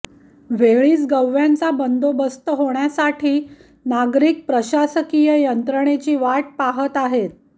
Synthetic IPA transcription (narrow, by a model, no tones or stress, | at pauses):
ʋeɭiːt͡sɡəwːjant͡sabənd̪ʱobəst̪əɦoɳjasaʈʰiː | naɡɾiːk̚pɾəɕasəkijəjənt̪ɾəɽ̃et͡ɕiːʋaʈ̚paɦət̪aɦet̪̚